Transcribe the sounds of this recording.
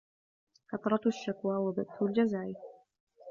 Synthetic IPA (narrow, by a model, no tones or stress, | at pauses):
kɑt̪ˤɾˤɑʃːakwaːwabad̪θʊld͡ʒazaːʔ